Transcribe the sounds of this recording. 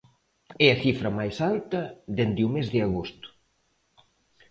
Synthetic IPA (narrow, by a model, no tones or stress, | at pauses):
ɛɐθifɾɐmajsalt̪ɐðend̪ɪumezðɪaɣost̪ʊ̥